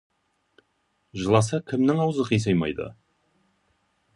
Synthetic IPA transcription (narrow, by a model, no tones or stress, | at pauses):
ʒəlˠɑs̬ɑkʲʰɪmnɪŋɑwzəqʰijs̬ɑjmɑ̰jd̪ə̰